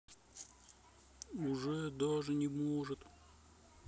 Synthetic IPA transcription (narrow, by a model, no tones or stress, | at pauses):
ʊʐɛd̪aʐɨnʲɪmoʐɨt̪